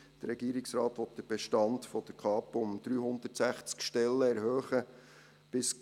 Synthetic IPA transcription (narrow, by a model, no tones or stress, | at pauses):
d̥əɾɛɡ̥iːɾɪksɾɑːt̪ʋɔt̚d̥̪əɾb̥ɛʃtɑntfɔd̪̥əɾkʰɑːpʊmd̪̥ɾyːɦʊnd̪ətsæχt͡skʃtɛlːəɛɾhøːχə | b̥ɪs